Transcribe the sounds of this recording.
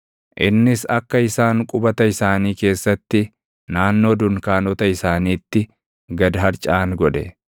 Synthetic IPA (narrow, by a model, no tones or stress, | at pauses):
ʔɪ̰nːɪsɐkːɐɪsaːŋkʼʊbɐt̪ɐɪsaːniːke̞ːsːɐt̪ːɪ | naːnːo̞ːd̪ʊŋkaːnɔt̪ɐɪsaːniːt̪ːɪ | ɡɐd̪ɐɦɐɾt͡ʃʼaːŋɡɔᶑɛ